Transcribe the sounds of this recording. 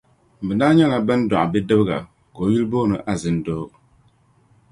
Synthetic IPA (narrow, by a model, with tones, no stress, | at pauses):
bɨ˨naː˦ɲɛ˦la˨bɨ˦n˦dɔ˨ʔa˨bɛ˦dɨ˦bɣa̰˨ | ko˨˦ji˦lboː˦nɨ˨ʔa˨zɨ˨ndo˦